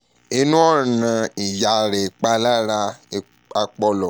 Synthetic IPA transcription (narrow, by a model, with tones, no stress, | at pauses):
e˧nũ˦ɔ˦˨nã˨˧i˨ja˨ɾe˨k͡pa˧˦la˦ɾa˧ | a˧k͡pɔ˧lɔ˨